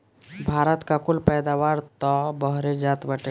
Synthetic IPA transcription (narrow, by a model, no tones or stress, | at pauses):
bʱaːɾət̪kakʊlpɛːd̪aːwaːɾt̪ɔbəɦɾed͡ʒaːt̪bəʈe